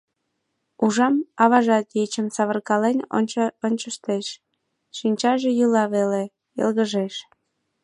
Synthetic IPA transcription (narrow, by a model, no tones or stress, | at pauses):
uʒɑmɑβɑʒɑt̪jet͡ɕəmsɑβərkɑleno̰nʲonʲt͡ɕəʃt̪eʃ | ʃinʲt͡ɕɑʒejulɑβele | ḛlɣəʒeʃ